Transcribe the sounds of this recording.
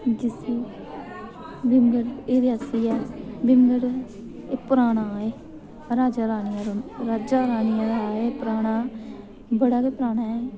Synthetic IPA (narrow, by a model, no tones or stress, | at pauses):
d͡ʒɪsiː | bɪmɡəɽeːɾɪasiːɛːbɪmɡəɽ | eːpəɾaːɽaːeː | ɾaːd͡ʒaːɾaːnɪjãːɾɾaːd͡ʒaːɾaːnɪjãːd̪aːeːpɾaːɽ̃aː | bəɽaːkeːpɾaːɳaːeː